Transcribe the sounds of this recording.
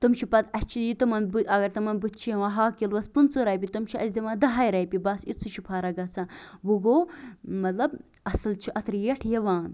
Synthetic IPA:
t̪umʃipɐt̪ɐt͡ʃʰijit̪ɐmɐnbuɐɡɐɾt̪ɐmɐnbut̪̚ʰt͡ʃʰiʋãɦaːkilʋɐspunt͡soɾɐjpʲit̪umt͡ʃʰiʔɐsd̪iʋãːd̪ɐɦajɾɐjpibɐsit͡sʰːuʃʰupʰaːɾɐɡɐt͡sʰaʋuɡoːmɐt̪lɐb | ɐsɐlt͡ʃʰiʔɐt̪ɾjɐʈʰjɐʋaːn

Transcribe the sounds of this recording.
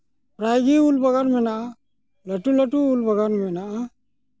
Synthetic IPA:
pɾajɡiulbɐɡaɾmɛnaʔa | ləʈuləʈuːlbəɡanmɛnaʔa

